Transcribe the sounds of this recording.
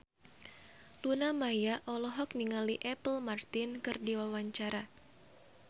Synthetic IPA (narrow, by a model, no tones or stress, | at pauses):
lunamajaʔɔlɔɦɔkniŋaliʔɛpəlmart̪ɪnkɨrdiwawaɲt͡ʃaɾa